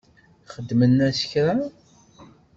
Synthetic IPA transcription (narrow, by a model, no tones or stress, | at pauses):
χəd̪ːmənːæsə̥çɾa